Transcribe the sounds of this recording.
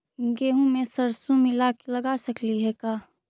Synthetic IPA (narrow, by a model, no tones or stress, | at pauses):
ɡeːɦũmẽsəɾsũmɪlakləɡasəkliɦɛkaː